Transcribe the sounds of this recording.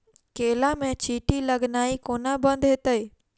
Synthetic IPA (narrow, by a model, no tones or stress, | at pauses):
keːlamẽt͡ɕiːʈilɐɡnaːikoːnabɐ̃nd̪ɦɪt̪əeː